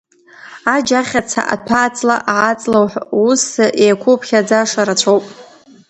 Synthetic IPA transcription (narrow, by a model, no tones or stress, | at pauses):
ad͡ʒaχʲat͡sʰa̰ʔa̰tʰaːt͡sʼla̰ʔaʕat͡sʼlawħʷusʔejkʷʰopʰχʲad͡zaʂaɾat͡ɕʷʰowpʼ